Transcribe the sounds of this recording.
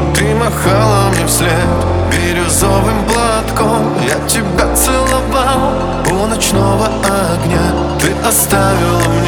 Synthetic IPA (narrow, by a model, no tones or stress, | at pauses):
t̪ɨmɐxalˠɐmɲʲɛfsʲet̪ | bʲiɾʲʊzɔvɨmplˠat̪kɔm | jat̪ʲɪbɐt̪sɨlˠɐvalˠ | ɔnɐt͡ʃnɔvɐɐ | ɡnʲa | t̪ɪʔɐst̪avʲɪlˠɐmʲ